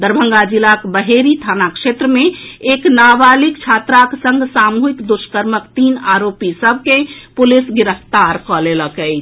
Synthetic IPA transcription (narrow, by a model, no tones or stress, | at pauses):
d̪əɾbʱə̃ŋɡad͡ʒilakbəɦeɾit̪ʰanakʃet̪ɾəmeeknabalikt͡ʃʰat̪ɾaksə̃ŋɡsamuɦikd̪uʃkəɾməkt̪inaɾopisəbʱkepulisɡiɾəft̪aɾkɔleləkəɪt͡ʃʰ